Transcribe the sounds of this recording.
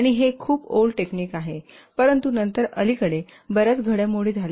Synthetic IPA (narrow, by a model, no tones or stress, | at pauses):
aɽ̃iɦekʰuːpolɖʈekniːkaɦe | pəɾənt̪unənt̪əɾə̰likəɽe | bəɾət͡sɡʱəɽjamoɽ̤iːd͡zʱal